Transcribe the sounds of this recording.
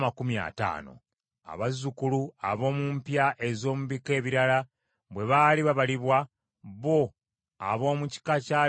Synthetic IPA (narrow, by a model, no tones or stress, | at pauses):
makumia̰ta̰ːno̰ | a̰βazːukuluaβo̞ːmumpjaʔe̞zo̞ːmuβike̞ːβiɾala | βwe̞βaːliβaβaliβwa | βo̞ | a̰βo̞ːmuci̥kacaː